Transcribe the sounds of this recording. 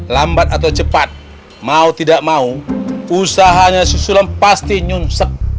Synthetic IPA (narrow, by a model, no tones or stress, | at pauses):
lambat̪̚at̪awt͡ʃəpat̪̚ | maut̪idaʔmauusaɦaɲasusulanpast̪iɲunsək̚